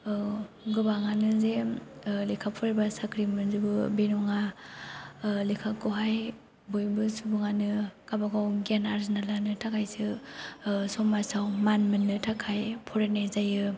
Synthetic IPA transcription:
ɡɯbaŋanɯzelikʰapʰɔɾibasakʰɾimɯnzibɯbenɔŋa | likʰakɯɦaj | bojbɯsubuŋanɯkabaɡawɡanaɾzinalanɯtʰakʰajsɯ | sɔmasawmanmɯnːɯtʰakʰajpʰɔɾenezajɯ

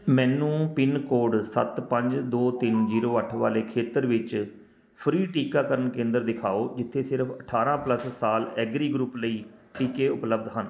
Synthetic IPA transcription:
mɛ̃ːnũːpɪnkoːɖsə̰t̪pəɲd͡ʒd̪oːt̪ɪnd͡ʒiːɾoːəʈʰʋa̰ːleːkʰeːt̪əɾʋɪt͡ʃ | pʰɾiːʈiːkaːkəɾənkẽːnd̪əɾd̪ɪkʰaːoːd͡ʒɪt̪ʰːeːsɪɾpʰəʈʰaːɾãːpləsːaːlɛːɡɾiːɡɾuːpləiːʈiːkeːʊpləb̚d̪ɦən

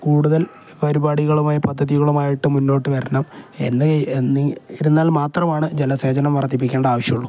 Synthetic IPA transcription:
kuːɽuðɐl | pɐɾubaːɽiɣɐɭumaːjɐpɐd̪ʱːɐðiɣɐɭumaːjiʈːɨmunːo̞ːʈːɨʋɐɾɐnɐme̞̰nːɨnːiiɾunːaːlmaːt̪rɐmaːɳɨd͡ʑelɐse̞ːd͡ʑɐnɐmʋɐrɐt̪ːip̬ːikʲːeːɳɖɐaːʋɐɕjɐmuɭːu

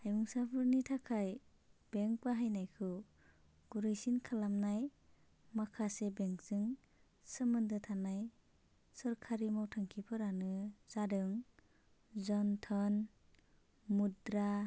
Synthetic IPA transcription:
hajmuŋsapʰɯɾnitʰakʰaj | b̥eŋpaɦajnajkʰɯ | ɡ̥uɾɯjsinkʰalamnaj | makʰasebeŋzɯŋ | sɯmɯndɯtʰanaj | sɯɾkʰaɾimawtʰaŋkʰipʰɯɾanɯz̥adɯŋ | zɔntʰɔn | mudɾa

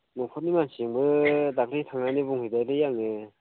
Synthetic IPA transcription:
mɯpʰɔt̚nimansiŋbɯdak̚ɾitʰaŋnanibuŋhɯdajɾɯjaŋɯ

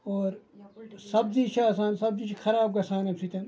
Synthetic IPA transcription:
oːɾsɐbziːt͡ʃʰaːsaːnsɐb̚zit͡ʃʰixʰɐɾaːb̚ɡɐsaːnɐbsit̪ɐn

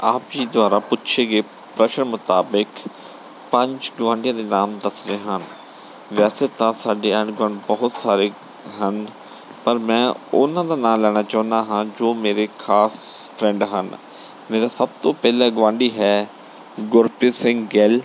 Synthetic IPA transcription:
aːpd͡ʒiːd̪ʊaːɾaːpʊtːʃʰeːɡeː | pɾəʃəɳmʊt̪aːbək | pəɲd͡ʒɡʋãːɳɖijãːd̪eːnaːmd̪əsɾeːɦən | ʋɛːseːt̪ãːsaːɖeːəɳɡãːɳɖbɔɦʊt̪saːɾeː | ɦən | pəɾmɛ̃ːʊnãːd̪aːnãːlɛːɽ̃aːt͡ʃɔ̃ːnd̪aːɦãːd͡ʒoːmeːɾeːkʰaːspʰɾɛ̃ɳɖɦən | meːɾaːsəb̚t̪õːpɛːlaːɡʋãːɳɖiːɦɛː | ɡʊɾpeːsɪ̃ŋɡɡel

